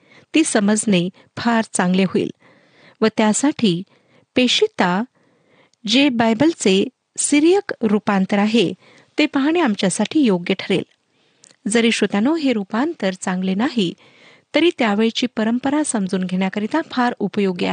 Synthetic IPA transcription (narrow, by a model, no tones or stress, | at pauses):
t̪iːsəməd͡zne | fʰaɾt͡sãŋɡleɦoḭːl | ʋət̪jasaʈʰiː | peɕit̪a | d͡ʑebajbəlt͡se | siɾijəkɾupãnt̪əɾaɦe | t̪epəɦɳ̃iamt͡ɕjasaʈʰiːjoɡjəʈʰəɾḛl | d͡zəɾiːɕot̪anoɦeɾupant̪əɾt͡sãŋɡlenaɦi | t̪əɾiːt̪jaʋeɭit͡ɕiːpəɾəmpəɾasəmd͡zuːnɡʱeɳ̃jakəɾit̪ãfʰaɾupəjoɡja̰